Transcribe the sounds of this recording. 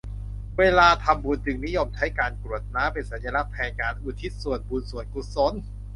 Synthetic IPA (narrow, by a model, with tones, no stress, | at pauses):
weː˧laː˧t̪ʰa˧mbuː˧˩nt͡ɕɯ˨˩ŋni˦˥jo˧mt͡ɕʰa˦˥jkaː˧nku˨˩ət̪̚naː˦˥mpe˧nsa˨˦nja˧la˦˥k̚pʰɛː˧nkaː˧nʔuː˨˩t̪ʰi˦˥t̪̚su˨˩ənbuː˨˧nsu˨˩ənku˨˩t̪̚so˨˩˥n